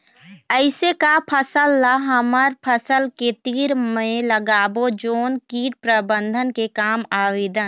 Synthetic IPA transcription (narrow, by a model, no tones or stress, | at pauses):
əɪsekapʰəsəlːaɦəməɾpʰəsəlket̪iːɾmẽləɡaːbod͡ʒoːnkiːʈ̚pɾəbə̃nd̪ʱənkekaːmaːʋiːd̪ən